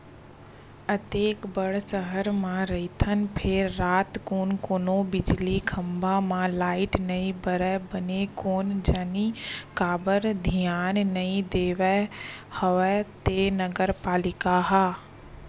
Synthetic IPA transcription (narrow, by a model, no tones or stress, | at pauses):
ɐt̪eːkbɐɽ̤sɐɦəɾmãɾɐɦit̪ʰənɪ̆pʰɪɾːaːt̪koːnkoːnobɪd͡ʑlikʰɐ̃mbʱamãlaːɪʈnɐĩbɐɾɛbɐɲekoːnd͡ʑaːnikaːbəɾd̪ʱijaːnnɐĩd̪eːʋɛhoʋɛt̪eːnɐɡəɾpaːlɪkaɦaː